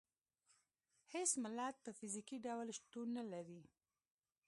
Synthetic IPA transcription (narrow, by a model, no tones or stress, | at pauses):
hesmɪlat̪̚pəfizikiɖawlʃt̪onːalaɾi